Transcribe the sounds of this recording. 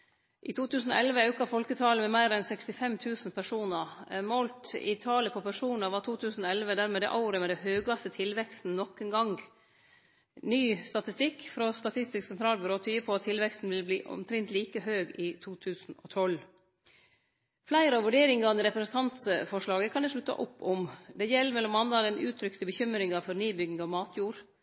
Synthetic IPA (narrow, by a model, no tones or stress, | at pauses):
ʔɪːt̪ʰuːt̪ʰʉːsn̩o̰ɛlʋəɑʉkɑfɔlkət̪ʰɑːləmɛmæɪɾɛnsɛkst̪ɪfɛmt̪ʰʉːsnpʰæʂuːnəɾmoːlt̪ɪ̰t̪ʰɑːləpʰoːpæʂuːnəɾʋɑt̪ʰuːt̪ʰʉːsn̩oɛlʋəd̪æːɾmeːd̪ɛ̰ʔɑʊɾəmɛd̪ɛhøːɡɑst̪ət̪ʰɪlʋɛkst̪n̩nɔkːənɡɑŋɡ | nyːst̪ɑt̪ɪst̪ɪkːfɾɔst̪ɑt̪ʰɪst̪ɪsksɛnt̪ʰɾɑːlbɪɾoːt̪ʰyːəpʰɔɑt̪t̪ʰːɪlʋɛkst̪n̩ʋɪlbliːʔɔ̰mt̪ʰɾɛnt̪liːkəɦøːɡɪt̪ʰuːt̪ʰʉːsn̩ɔ̰t̪ʰɔl | flæɪɾəɑʋʉɖeːɾɪŋɑniɾɛpɾɛsn̩t̪ʰɑnt̪fɔʂɭɑːɡəkʰɑnd̪ɛʂlʉt̪ːɑ̰ʔʊpːɔmd̪ɛjɛlːəmɛlːɔmɑnd̪ɑd̪ɛnʔʉ̰ːt̪ʰɾʏkt̪əbəçʏmɾɪŋɑfɔɾnyːbʏɡɪŋɑʋmɑːt̪ʰjuːɾ